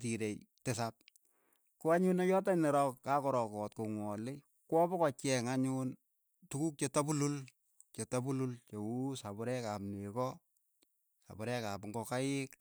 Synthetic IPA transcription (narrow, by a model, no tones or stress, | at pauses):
tiɾejtesap̚ | kuaɲunɔjɔtaɲnɛɾɔkkakɔɾɔkɔtkoŋwɔlɪ | kwɔbɔkɔt͡ʃɛŋaɲʊn | tukuk̚t͡ʃetabulul | t͡ʃetabulult͡ʃewusabʊɾɛkapnekɔ | sa̰bʊɾɛkapŋɡɔkaɪk